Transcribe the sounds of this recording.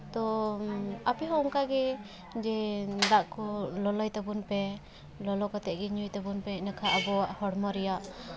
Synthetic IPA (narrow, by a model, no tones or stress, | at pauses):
t̪ɔ | apɛɦɔuŋkaɡɛ | d͡ʒɛd̪aʔkɔlɔlɔjt̪abunpɛ | lɔlɔkɔt̪ɛʔ̚ɡɛɲujt̪abunpɛnakʰaʔabɔaʔhɔɽmɔɾɛjaʔ